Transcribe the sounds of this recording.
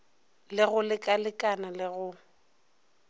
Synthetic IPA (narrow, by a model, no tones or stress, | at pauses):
lɪɣʊlɪkʼalɪkʼanalɪɣʊ